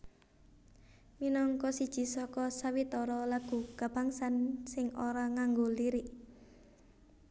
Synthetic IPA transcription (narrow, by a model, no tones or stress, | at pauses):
minɔŋkɔsid̥ʒ̥i̤sɔkɔsawit̪ɔɾɔlaɡ̥ṳɡ̥a̤b̥aŋsansɪŋoɾaŋaŋɡoliɾɪʔ